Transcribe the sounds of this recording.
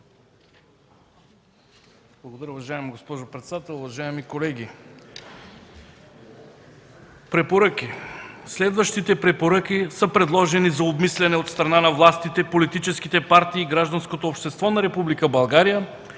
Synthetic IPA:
b̥lˠɡod̪ɐɾəʊvɐʒaɛmɡospɔʒopɾɛt̪sd̪at̪ɛlˠʊvɐʒaɛmikolɛɡ̟ʲi | pɾɛpoɾəkʲislɛd̪vəʃt̪it̪ɛpɾɛpoɾək̟isəpɾɛd̪lˠɔʒɛnizɐobmislɛnɛot̪st̪ɾɐnanɐvlˠast̪it̪ɛpolit̪it͡ʃɛskit̪ɛpaɾt̪iːɡɾaʒd̪ɐnskot̪oːpʃt̪ɛst̪vɔnɐɾɛpublikəbɐlˠɡaɾijə

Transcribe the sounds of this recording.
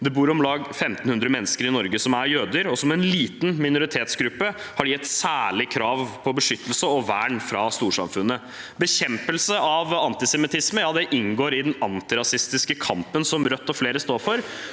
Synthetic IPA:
d̪ɛbuːɾɔmlɑːɡfɛmt̪n̩hʉnd̪ɾəmɛnːəskəɾɪnɔɾɡəsɔmæɾjøːd̪əɾɔsɔmɛnliːt̪n̩mɪnʊɾɪt̪ʰeːt̪sɡɾʉpːəhɑɖjɛt̪ːsæːɭɪkʰɾɑːʋpʰɔbəʂʏt̪ːəlsəɔʋæːɳfɾɑst̪uːʂɑ̰mfʉnːə | bəçɛmpəlsəɑʋɑnt̪ɪsɛmɪt̪ʰɪsməjɑːd̪ɛʔɪnɡoːɾɪd̪ɛnɑnt̪ɪɾɑsɪst̪ɪskəkʰɑmpənsɔmɾœt̪ːɔfleːɾəst̪oːɾfɔɾ

